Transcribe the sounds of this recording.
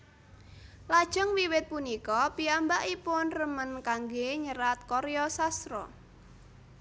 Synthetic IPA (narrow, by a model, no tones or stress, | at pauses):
lad̥ʒ̥ɔ̤ŋwiwɪt̪̚punikɔpiambaʔipʊnrəmənkaŋɡeɲəɾat̪̚kɔɾeɔsasɾɔ̰